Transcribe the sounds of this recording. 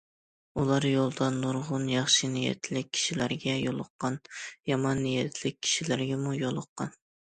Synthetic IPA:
ulˠɑɾjolˠd̪ɑnːoɾʁʊnjɑχʃinijɛ̰t̪ʰlɪk̚ʲʰːi̥ʃilæɾɡʲɛjolˠʊqːɑnjɑmɑnːijɛt̪ʰlɪk̚ʲʰːi̥ʃilæɾɡʲɛmujolˠʊqːɑn

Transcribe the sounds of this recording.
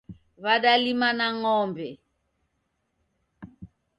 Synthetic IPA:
βaɗalimanaŋɔːmbʱɛ

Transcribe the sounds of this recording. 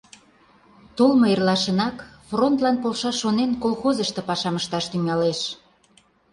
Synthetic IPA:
t̪olmoerlɑʃə̆nɑkfront̪lɑnpolʃɑʃonenkolxozəʃt̪ĕpɑʃɑməʃt̪ɑʃt̪yŋɑleʃ

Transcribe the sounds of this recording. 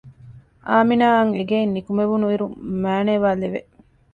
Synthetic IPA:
ʔaːminaːɐŋeɡeinːikumeʋunuiɾumæːneːʋaːleʋḛ

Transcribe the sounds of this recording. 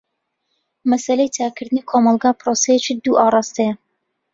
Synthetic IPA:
mɐsɐlejt̪ʰaːkʰɨɾd̪ɨnikʰomɑlˠɡaːpɾosejet͡ʃid̪uʔɑːrˤɑːst̪ejɐ

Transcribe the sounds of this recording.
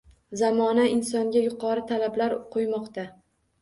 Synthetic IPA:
zamɒnaɪnsɒŋɡʲajʊqʰɒɾɪt̪ʰalablaɾqʰojmɒqt̪a

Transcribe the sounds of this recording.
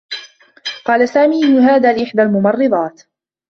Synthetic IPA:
qɑːlasaːmiːʔɪnːʊɦaːd̪aːlɪʔɪħd̪almʊmɑrˤːɨd̪ˤɑːt̪

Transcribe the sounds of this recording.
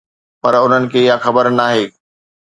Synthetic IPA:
pɐɾʊn̤ənɪ̆kʰeːɪjaxɐbəɾnaːɦeː

